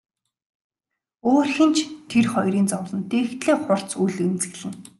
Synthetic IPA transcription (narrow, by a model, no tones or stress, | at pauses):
oːrxĭnt͡ɕʰt̪ʰerχɔjɾiːnt͡sɔwɮɞ̆nt̪eːxt̪ɮeːχʊr̥t͡sujɮent͡sɘ̆ɣɮɘ̆ŋ